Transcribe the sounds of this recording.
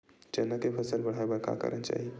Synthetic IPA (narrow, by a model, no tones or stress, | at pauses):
d͡ʒənəkepʰəsəlbəɽ̤abəka̰kə̰ɾənt͡ʃa̰ːɦi